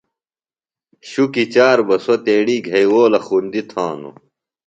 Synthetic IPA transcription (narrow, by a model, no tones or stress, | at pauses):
ɕukit͡ɕaːɾbɐsot̪eːɽiːɡʱɐjwoːlɐxuːnd̪it̪ʰãːnṵ